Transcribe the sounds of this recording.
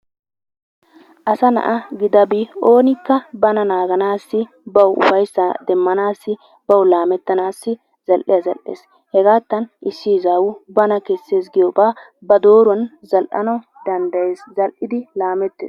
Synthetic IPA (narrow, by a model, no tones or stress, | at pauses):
ʔɐsɐnɐ̰ʔɐɡɪd̪ɐbio̞ːnɪkːɐbɐnɐnaːɡɐnaːsːɪ | bɐwʊ̰fɐjsːɐd̪ɛmːɐnaːsːɪ | bɐwlaːmɛt̪ːɐnaːsːɪ | z̥ɐlʔɪjɐzɐ̰lʔːḛːs | hɛɡaːt̪ːɐnʔɪsːizaːwʊbɐnɐkɛsːe̞ːsɡɪjɔbaː | bɐd̪o̞ːɾʊɐnzɐlʔɐ̰nɐw | d̪̥ɐnd̪ɐjeːszɐlʔɪd̪ɪlaːmɛt̪ːḛːs